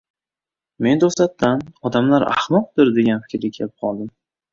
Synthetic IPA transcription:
me̞nd̪oslat̪ːanɒd̪amlaɾa̰hmɒq̚d̪ɪɾd̪e̞ɡʲanfɪ̥kʲɾɡʲakʲʰelɪp̚qʰɒlˠd̪ɪm

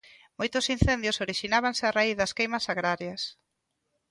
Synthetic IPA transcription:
mojt̪ʊsin̟θend̪jʊsoɾiʃinaβansɪaraiθðɐskejmɐsaɣɾaɾjɐs

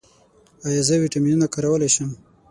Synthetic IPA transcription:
ajazəwiʈaminunakaɾawəlaʃəm

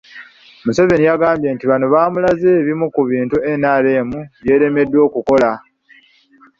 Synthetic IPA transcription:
muse̞ve̞nijaɡaːmbje̞ːntiβanoβaːmulaze̞ːβimukuβiːntue̞nale̞ːmuβje̞ːɾe̞me̞dːwo̞ːkuko̞la

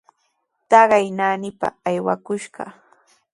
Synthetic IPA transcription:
t̪ɑɢɑjnaːnɪpa̰ːjwakʊʃɢɑ

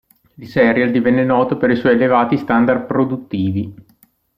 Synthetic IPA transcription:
ilsɛɾjald̪ivɛnːenɔːt̪opeɾiswɔjelevaːt̪ist̪and̪ar̚pɾod̪ut̪ːiːvi

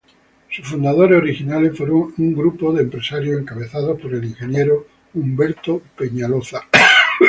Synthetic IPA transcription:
sufund̪aðoɾeoɾixinalefwoɾouŋɡɾupoðeːmpɾesaɾjoeŋkaβ̞e̞θað̞opoɾeliŋxe̞njeɾo | umbeɾt̪ope̞ɲaloθa

